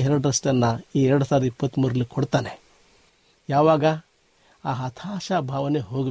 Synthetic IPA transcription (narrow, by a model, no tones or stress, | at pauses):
ɦeɾəɽɾɐsʈɐnːaieɾɽsaɾipət̪məɾlikʰoɽt̪ane | jaʋaːɡa | aɦɐt̪ʰaːʃabʱaʋneɦoɡ